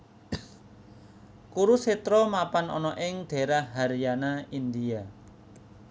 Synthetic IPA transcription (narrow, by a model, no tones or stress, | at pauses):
kuɾuset̪ɾɔmapanɔ̰nɔʔɪŋd̪̥e̤ɾaɦaɾjanaind̪ia